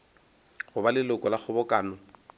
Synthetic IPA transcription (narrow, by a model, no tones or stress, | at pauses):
χʊbalɪlʊkʼɔlaχʊbɔkaːnɔ